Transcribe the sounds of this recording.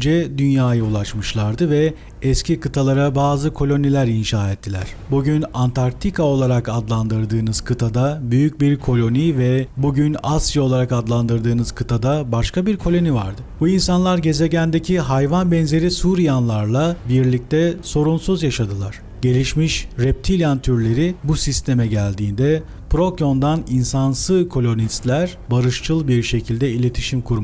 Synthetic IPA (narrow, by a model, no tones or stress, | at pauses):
d͡ʒɛd̪ynjaːjaolˠat͡ʃmɯʃlˠaɾd̪ɯvɛ | ɛscʰikʰɯt̪ʰalˠaɾabaːzɯkʰo̞lʲo̞nilʲæɾinʃaːɛt̪ʰːilʲæ̰ɾ̥buɟynant̪ʰaɾ̚t̪ʰikʰao̞lˠaɾakad̪lˠand̪ɯɾd̪ɯːnɯz̥kʰɯt̪ʰad̪abyjyc̚biɾkʰo̞lʲo̞nivɛbuɟynasjao̞lˠaɾakad̪lˠand̪ɯɾd̪ɯːnɯzkʰɯt̪ʰad̪abaʃkʰabiɾkʰo̞lʲo̞niva̰ɾd̪ɯbuinsanlˠaɾɟe̞ze̞ɟænd̪e̞cʰiɦajvanbɛnze̞ɾisuːɾijanlˠaɾlˠabiɾlʲic̚t̪ɛso̞ɾunsuzjaʃad̪ɯlˠaɾ̥ | ɟe̞lʲiʃmiʃɾɛp̚t̪ʰilʲant̪ʰyɾlʲe̞ɾibusist̪ʰe̞mɛɟælʲd̪iːnd̪ɛ | pɾo̞ko̞nd̪aninsansɯkʰo̞lʲo̞nist̪lʲæɾ̥ | baɾɯʃt͡ʃʰɯlˠbiɾʃe̞cʰilʲd̪ɛilʲe̞t̪ʰi̥ʃimkʰuɾma